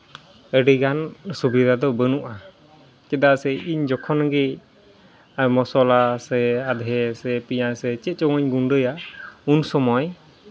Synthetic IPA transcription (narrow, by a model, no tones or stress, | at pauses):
əɖiɡansubid̪ʱad̪ɔbənuʔa | t͡ʃɛd̪asɛʔiɲd͡ʒɔkʰɔnɡɛ | mɔsɔlasɛad̪ɦɛsɛpiɲasɛt͡ʃɛt̪̚ˀt͡ʃɔŋɔɲɡuɳɖəjaunsɔmɔj